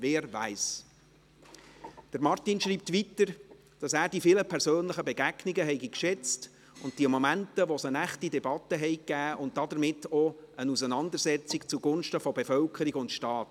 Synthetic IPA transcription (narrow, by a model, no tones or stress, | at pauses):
vɛːɾʋæɪs | d̥əɾmɑrtinʃɾiːp̚tʋitəɾ | d̥ɑsæːɾd̥ifiləpʰɛɾsøːnləχəbeɡæɡnɪɡəɦɛɪɡikʃɛt͡st | ʊnt̚d̥iəmɔmæntəʋosənæχtidɛbɑt̪ːəɦɛɪkːæːʔʊnt̚d̥ɑdəɾmɪtːɔənusənɑndəɾsɛt͡sikt͡suɡ̥ʊnʃtəfɔbefœlkʰəɾiɡʊntʃtɑːt